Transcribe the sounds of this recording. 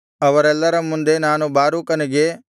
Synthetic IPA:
ɐʋɐɾɛlːɐɾɐmːund̪e̞naːnubaːɾuːkɐniɡe̞

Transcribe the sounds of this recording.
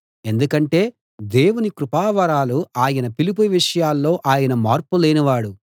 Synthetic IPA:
e̞nd̪ukɐɳʈe̞ː | d̪e̞ːwunikɾupaːʋɐɾaːluaːjɐnɐpilip̬uʋiʂɐjaːlːo̞ːʔaːjɐnɐmaːɾpule̞ːnɐʋaːɽu

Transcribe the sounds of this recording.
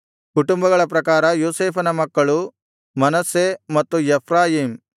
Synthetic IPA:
kuʈumbɐɡɐɭɐp̬ɾɐkaːɾɐjoːseːpʰɐnɐmɐkːɐɭu | mɐnɐsːemɐt̪ːujepʰɾaːjiːm

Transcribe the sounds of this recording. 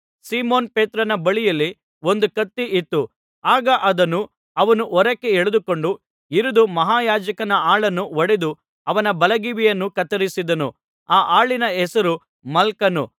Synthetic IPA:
siːmoːnpeːt̪ɾɐnɐbɐɭijɐlːi | o̞nd̪ukɐt̪ːiʔit̪ːu | aːɡɐʔɐd̪ɐnːu | ɐʋɐnuʔɔɾɐkːeeɭed̪uko̞ɳɖu | iɾud̪umɐɦaːjaːd͡ʒɐkɐnɐaːɭɐnːuɔɽed̪u | ɐʋɐnɐbɐlɐɡiʋijɐnːukɐt̪ɐɾisid̪ɐnṵ | aːʔaːɭinɐɛsɐɾu | mɐlkɐnṵ

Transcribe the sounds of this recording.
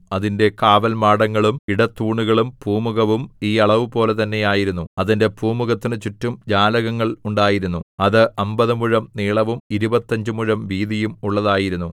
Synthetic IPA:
ɐðinde̞kaːʋɐlmaːɽɐŋːɐɭumiɽɐt̪ːuːɳuɣɐɭumpuːmuɣɐʋumiːɐɭɐʋupo̞ːle̞t̪ɐnːe̞jaːjiɾunːuɐðinde̞puːmuɣɐt̪ːinɨt͡ɕutːumd͡ʑaːlɐɣɐŋːɐɭuɳɖaːjiɾunːuɐðɨʔɐmbɐðɨmuɻɐmniːɭɐʋumiɾubɐt̪ːɐɲd͡ʑɨmuɻɐmʋiːðijumuɭːɐðaːjiɾunːu

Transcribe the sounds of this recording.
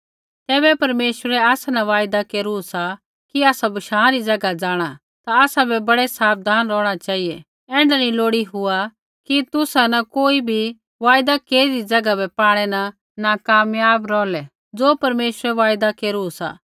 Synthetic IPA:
t̪ɛːbɛpɐɾmeːʃəɾɛaːsanaʋaːjd̪akeːɾusa | kiaːsabɐʃãːɾid͡zɐɡad͡zaːɽ̃a | t̪aaːsabʱɛbɐɽɛsaːb̚d̪ʱaːnɾɔːɽ̃at͡ʃaːijɛ | ɛ̃ːɳɖanĩloːɽiɦʊa | kit̪ʊsanɐkoːibʱi | ʋaːjd̪akeːɾiɾid͡zɐɡabɛpaːɽ̃ɛna | nakaːmjaːbɾɔːlɛ | d͡zoːpɐɾmeːʃəɾɛʋaːjd̪akeːɾusa̰

